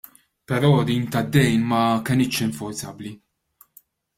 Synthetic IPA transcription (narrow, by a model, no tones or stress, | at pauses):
pɛɾɔːd̪iːnt̪ɐd̪ːɛjnmɐkɛnɪt̪ʃɪɱfʊɾzɐbli